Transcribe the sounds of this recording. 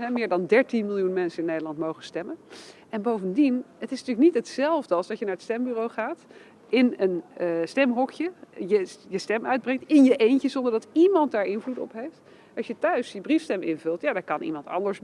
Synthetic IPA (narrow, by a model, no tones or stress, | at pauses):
ɦɛmɪːɹdɑndɛɹtinmɪlˠjunmɛnsənɪnːejdəlɑntmowχənstɛmənʔɛnbowvəndinətɪsnətyːlək̚nitɦətsɛlˠvdəɑlˠzdɑtjənaːɹətstɛmbyːrowχaːt | ɪnənstɛmɦɔkjəjəjəstɛmœɥd̚brɛŋtɪnjəʔejncəzɔndəɹdɑtimɑnt̚daːɹɪnvlutɔ̰pɦejft | ɑʃjətœɥsjəbrifstɛmɪnvɵlˠtjaːdakɑnʔḭmɑntɑ̰ndəɹs